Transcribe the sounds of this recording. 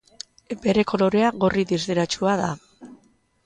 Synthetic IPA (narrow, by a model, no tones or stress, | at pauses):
be̞ɾe̞ko̞lo̞ɾe̞aɣo̞riðizðeɾat͡ʃuaða